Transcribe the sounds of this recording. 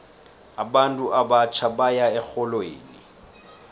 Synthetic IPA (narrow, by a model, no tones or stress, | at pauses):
aɓantʼuʔabat͡ʃʰaɓajaɛk͡xɔlwḛːnḭ